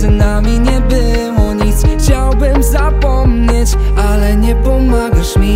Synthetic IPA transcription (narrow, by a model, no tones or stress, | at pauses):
namʲiɲɛbɪwɔɲit̪sxt͡ɕawbɘmzapɔmɲɛt͡ɕalɛɲɛpɔmaɡaʂmʲi